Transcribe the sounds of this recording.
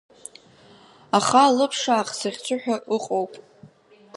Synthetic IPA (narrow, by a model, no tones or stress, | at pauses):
aχalɨpʰʂaːχsaʁʲt͡sʷʰʊħᶣaʔʊqʼowpʼ